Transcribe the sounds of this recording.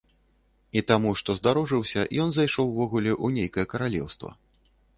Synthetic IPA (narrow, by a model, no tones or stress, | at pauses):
it̪amuʂt̪ɔzd̪aɾɔʐɨwsʲɐjɔnzajʂɔwːvɔɣulʲɛʔunʲejkɐjɛkɐɾalʲɛ̰wst̪vɐ̰